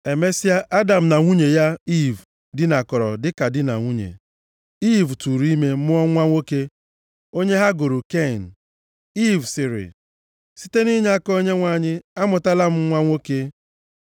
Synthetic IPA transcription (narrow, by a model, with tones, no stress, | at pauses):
e˨me˦si˦a˦ʔa˦da˨m̩˨na˨ŋʷu˦ɲe˨ja˦i˦˨v | dɪ˦na˨kɔ˨ɾɔ̰˨dɪ˦ka˨dɪ˦na̰˨ŋʷu˦ɲḛ˨ | i˦vtu˨ɾi˦me˦mʊ˦ɔ˦ŋʷa˦ŋʷo˦ke˦ | o˦ɲe˦ɦa˦ɡo˨ɾo˨ke˦˨n̩˨ | i˦vsɪ˨ɾɪ̰˨ | si̥˦te˦ni˦ɲ˦a˦ko˦ɲe˦ŋʷa˦˨ɲɪ˦a˦mʊ˨ta˦la˦m̩˦ŋʷa˦ŋʷo˦ke˦